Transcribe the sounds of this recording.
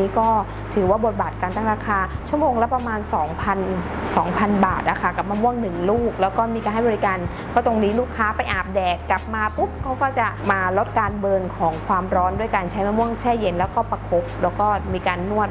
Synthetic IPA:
iː˦˥kɔː˥˩ | t̪ʰɯː˩˦waː˥˩bo˨˩t̪̚baː˨˩t̪̚kaː˧nt̪aː˥˩ŋɾaː˧kʰaː˧t͡ɕʰu˥˩əmoː˧ŋla˦˥pɾa˧maː˧nsɔː˩˦ŋpʰa˧n | sɔː˩˦ŋpʰa˧nbaː˨˩t̪̚ʔa˧˩kʰa˦˥˩ka˨˩p̚ma˧mu˥˩əŋnɯ˨˩ŋluː˥˩k̚lɛː˦˥wkɔː˥˩miː˧kaː˧nɦa˥˩jbɔː˧ɾi˦˥kaː˧n | pʰɔ˦˥˩t̪o˧ŋniː˦˥luː˥˩kʰːaː˦˥pa˧jʔaː˨˩p̚dɛː˨˩kkla˨˩p̚maː˧pu˦˥p̚kʰa˦˥wkɔː˥˩t͡ɕa˨˩ʔmaː˧lo˦˥t̪̚kaː˧nbɤː˧nkʰɔː˩˦ŋkʰwaː˧mɾɔː˦˥ndu˥˩əjka˧nt͡ɕʰa˦˥jmaː˧mu˥˩əŋt͡ɕʰɛː˥˩je˧nlɛː˦˥wkɔː˥˩pa˧kʰo˦˥p̚lɛː˦˥wkɔː˥˩miː˧kaː˧nːu˥˩ət̪̚

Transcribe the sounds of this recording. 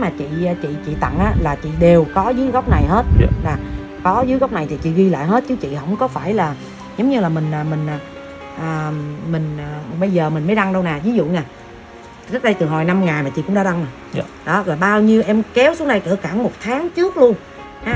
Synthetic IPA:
maː˨˩t͡ɕḭ˧˨˧t͡ɕḭ˧˨t͡ɕḭ˧˨t̪ə̰˧˨ŋʔaː˨˦laː˨˩t͡ɕḭ˧˨ɗe˨˩wkɔ˨˦zɨ˨˦jɣa˦˥wk͡p̚na˨˩jɦe˦˥t̚laː˨˩ | kɔ˨˦zɨː˨˦jɣa˦˥wk͡p̚na˨˩jt̪ʰi˨˩t͡ɕḭ˧˨ɣi˧la̰ː˧˨jɦe˦˥t̚t͡ɕɨ˨˦t͡ɕḭ˧˨ɦə̰˧˥wŋ͡mkɔ˨˦faː˧˩jlaː˨˩ | zə˨˦wŋ͡mɲɨ˧laː˨˩mï˨˩ŋ̟aː˨˩mï˨˩ŋ̟aː˨˩ | ʔəː˨˩mï˨˩ŋ̟ː˨˩ɓə˧jzəː˨˩mï˨˩ŋ̟mə˨˦jɗa˧ŋɗə˧wnaː˨˩vi˨˦zṵ˧˨ɲaː˨˩ | zi˦˥k̚ɗə˧jt̪ɨ˨˩ɦo˨˩jna˧mŋaː˨˩jmaː˨˩t͡ɕḭ˧˨kʊ˧˥ŋ͡mɗaː˧˥ɗa˧ŋaː˨˩ | ɗɔ˨˦laː˨˩ɓaː˧wɲi˧əwʔɛ˧mkɛ˨˦wsu˨˦na˨˩jkɨ̰˧˩əkaː˧˩ŋmo˨˩t̚t̪ʰaː˨˦ŋt͡ɕɨ˦˥ək̚lu˧ən | haː˨˦

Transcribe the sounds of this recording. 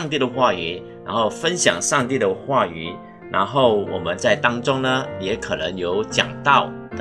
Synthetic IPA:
ŋt̪i˥˩d̪ə˩xwa˥˩y˨˩˦ | na˧˥nxo˥˩ʊfə˦nɕjɑ̰˨˩ŋʂɑ˥˧ŋt̪i˥˩d̪ə˩xwa˥˩y˨˩˦ | na̰˧˥nxo˥˩ʊwɔ̰˨˩mə˦nt͡sa˥˩ɪt̪ɑ˥ŋʈ͡ʂʊ˥ŋnə˨jɛ˧˥kʰɤ˨˩nə˧˥ŋjo˧˥ʊt͡ɕjɑ̰˨˩ŋt̪ɑ˥˩ʊ

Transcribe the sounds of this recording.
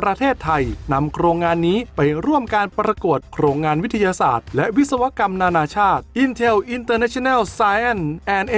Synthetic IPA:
ɾa˧t̪ʰeː˥˩t̪ʰːa˧jna˧mkʰɾoː˧ŋːaː˧nːiː˦˥pa˧jɾu˥˩əmkaː˧npɾa˧ku˨˩ət̪̚kʰɾoː˧ŋːaː˧nwi˦˥t̪ʰːa˧jaː˧sa̰ː˨˩t̪̚lɛ˦˥ʔwi˦˥t̪̚sa˧wa˦˥ka˧mnaː˧naː˧t͡ɕʰaː˥˩t̪̚ʔi˧nt̪ʰe˧wʔi˧nt̪ɤː˧na˦˥t͡ɕʰo˧nɛ˥˩wsaː˧jʔɛ˥˩nʔɛː˧˩nʔ

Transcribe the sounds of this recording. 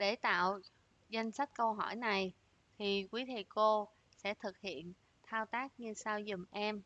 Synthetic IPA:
ɗe˧˩t̪a̰ː˧˨w | za˧jŋ̟sa˦˥kt̟̚kə˧wɦɔ˧˩jna˨˩j | t̪ʰi˨˩kwi˨˦t̪ʰe˨˩ko˧ | sɛ̰˧˥t̪ʰɨ˨˩k̚hḭ˧˨ən | t̪ʰaː˧wt̪aː˦˥k̚ɲɨ˧saː˧wzʊ˨˩ŋ͡mʔɛ˧m

